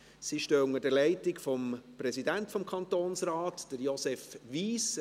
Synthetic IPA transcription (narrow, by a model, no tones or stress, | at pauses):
siʃtøːʊŋəd̥əɾlɛɪtɪkfɔmpɾɛsidæntfɔmkʰɑnt̪oːnsɾaːtd̥əɾjɔsɛfʋiːs